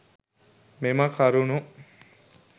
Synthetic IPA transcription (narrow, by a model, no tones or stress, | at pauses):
meməkaɾunu